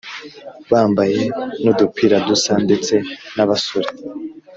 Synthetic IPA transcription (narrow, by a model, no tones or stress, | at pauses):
βaːmbaje̞nudupʰiːɾadusande̞t͡se̞naβasoɾe